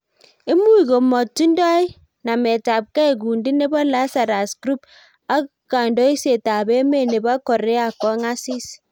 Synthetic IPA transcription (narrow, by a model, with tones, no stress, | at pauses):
e˦mu˦i˨ɡo˨mɔ˨ti˦ndɔ˦i˦ | na˨mɛ˨ta˨p̚kɛ˦e˨ɡ̬u˨ndi˦ne˦bɔ˦la˦sa˨ɾa˨skɾu˦p | a˦k | ka˨ndɔ˦i˦se˨ta˨bɛ˦me˦˨ne˨ba˦kɔ˨ɾɛ˦a˨kɔ˦ŋa˦si˦s